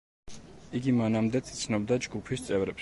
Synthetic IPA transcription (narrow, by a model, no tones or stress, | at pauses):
iɡimanamd̪ɛt̪sʰi̥t̪sʰnɔbd̪ad͡ʒɡupʰist̪sʼɛvɾɛp